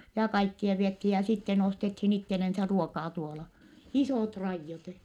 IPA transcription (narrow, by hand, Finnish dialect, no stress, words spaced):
jɑ kɑikːiɑ ʋiethiː jɑ sitːen ostethiːn itːelensæ ruokɑː tuolɑ isoˑt rɑijːot